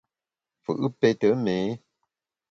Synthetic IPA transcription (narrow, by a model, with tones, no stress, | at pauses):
fɨ̰˨ʔɨ˦pe˦tə˨˦meː˨˦